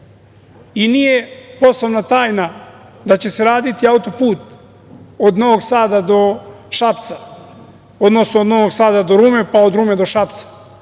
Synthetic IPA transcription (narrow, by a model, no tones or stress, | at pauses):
inije̞po̞sloʋnat̪aːjna | d̪at͡ɕe̞se̞ɾaːd̪it̪iaut̪o̞puːt̪ | od̪no̞ʋoɡsaːd̪ad̪o̞ʃapt̪sa | od̪no̞snood̪no̞ʋo̞ɡsaːd̪ad̪oɾuːme̞pao̞d̪ɾuːmed̪o̞ʃapt̪sḁ